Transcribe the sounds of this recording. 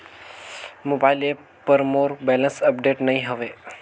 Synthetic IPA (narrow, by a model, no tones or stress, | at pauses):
mobaɪle | pəɾmoːɾbɛlənsəpɖeʈnəɦĩɦəʋe